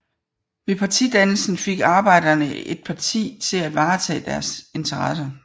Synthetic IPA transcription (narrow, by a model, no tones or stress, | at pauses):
ʋe̝pʰɑ̈t͡sʰid̥ænl̩sn̩fe̝ɡ̥ɑ̈ːb̥ɑ̈ɪ̰d̥ɐnəe̝d̥̚pʰɑ̈t͡sʰḭːt͡sʰe̝læʋɑ̈ːt͡sʰɛ̰ːd̥æɐse̝nt͡sʰɐʁɑsɐ